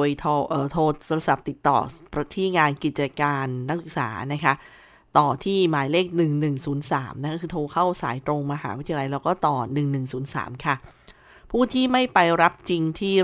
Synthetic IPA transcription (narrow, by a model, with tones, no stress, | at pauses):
jt̪ʰɔː˧ʔɤː˨˩t̪ʰoː˧oː˧ɾa˧sa˨˩p̚t̪i˨˩t̪ːɔ̰ː˨˩pɾa˧t̪ʰiː˥˩ŋaː˧nki˨˩t̪̚t͡ɕa˧kaː˧nːa˦˥k̚sɯ˨˩k̚sa̰ː˩˦na˦˥kʰa˦˥ | t̪ɔː˨˩t̪ʰiː˥˩maː˩˦jleː˥˩k̚nɯ˨˩ŋnɯ˨˩ŋsuː˩˦nsaː˩˦mna˦˥kʰːkʰɯː˧t̪ʰoː˧kʰa˥˩wsaː˩˦jt̪ɾo˧ŋmaː˧ɦaː˩˦wt̪ʰi˧la˧jɾaː˧wkɔː˥˩t̪ɔː˨˩nɯ˨˩ŋnɯ˨˩ŋsuː˩˦nsa̰ː˩˦mkʰa˥˩ | pʰuː˥˩t̪ʰiː˥˩ma˥˩jpa˧jɾa˦˥p̚t͡ɕi˧ŋt̪ʰiː˥˩